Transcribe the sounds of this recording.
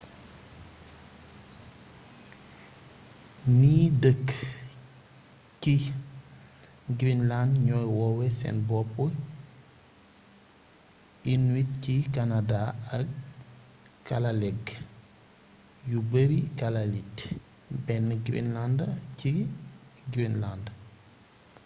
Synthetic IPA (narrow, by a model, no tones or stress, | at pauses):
niːdək | ci | ɡɾinlandɲɔjwɔwɛsɛ̰nbɔpu | inwit̚cikanadaɐk | kːalalɛɡ | jubəɾikalalit | bɛnɡɾḭnlandci | ɡɾinland